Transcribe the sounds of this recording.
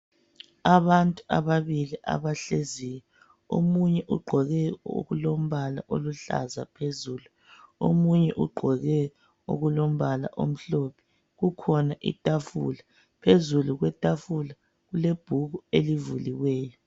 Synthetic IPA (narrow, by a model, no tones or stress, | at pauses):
aβantʼua̰βaβiliʔa̰βaɬezijɛ | o̰muɲɛʔuɡ͡ǃʱɔɣɛo̰ɣulom̩βala̰ʔoluɬa̰zapʰezuːlu | o̰muɲɛʔuɡ͡ǃʱɔɣɛ | o̰ɣulom̩βala̰ʔo̰m̩ɬopʰi̥ | ɣukʰɔnaʔḭtʼafṵla | pʰezuluɣwɛtʼafula | ɣuleb̥ʱuɣuelivuliwɛːjɔ